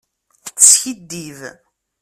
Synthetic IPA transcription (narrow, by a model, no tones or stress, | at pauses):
t͡sːsçid̪ːiv